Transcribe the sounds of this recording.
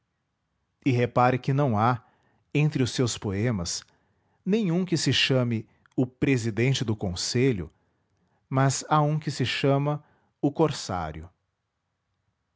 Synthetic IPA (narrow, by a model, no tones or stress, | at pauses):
ɪɦepaɾɪkɪnɐ̃w̃a | ẽnt̪ɾɪʊsːewspoẽmɐs | nẽj̃ũkɪsɪʃɐ̃mɪ | ʊpɾezid̪ẽnt͡ʃɪd̪ʊkõseʎʊ̰ | mɐzaũkɪsɪʃɐ̃mɐ | ʊkoɾsa̰ɾjʊ